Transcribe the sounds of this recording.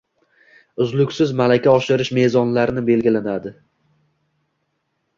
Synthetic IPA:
ʊzlʊkʲsɪzmalakʲaɒʃɪɾɪʃme̞zɒnlaɾɪnɪbe̞lɡʲɪlanad̪ɪ

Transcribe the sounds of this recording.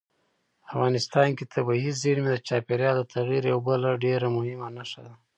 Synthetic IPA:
afɣɑnɪst̪ɑnket̪ʰabaɦizeɽmed̪ət͡ʃɑpeɾjɑld̪ət̪ʰaɣiɾjawbəlaɖeɾamʊhɪmanaʂa̰d̪a

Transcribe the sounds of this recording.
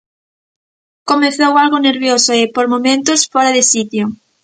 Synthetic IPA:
komeθowalɣoneɾβjosoepoɾmomẽnt̪osfɔɾaðesit̪jo

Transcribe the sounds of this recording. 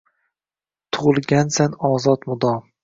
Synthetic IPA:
t̪ʰʊʁɨlˠɡʲansanɒːzɒt̪mʊd̪ɒ

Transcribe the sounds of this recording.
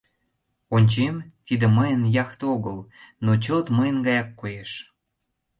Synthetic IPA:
onʲt͡ɕemt̪id̪ə̆məjənjɑxt̪oɣəlnot͡ɕəlt̪məjənɡɑjɑkːojeʃ

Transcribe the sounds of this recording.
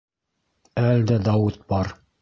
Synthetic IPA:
æld̪æd̪ɑwɘt̪̚bɑɾ

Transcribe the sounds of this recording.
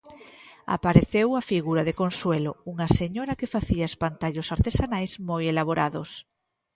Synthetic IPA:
a̰paɾeθewafiɣuɾaðekonswelouŋɐseɲoɾɐkefaθiaespant̪aʎʊsaɾt̪esanajzmojelaβ̞oɾʔaðos

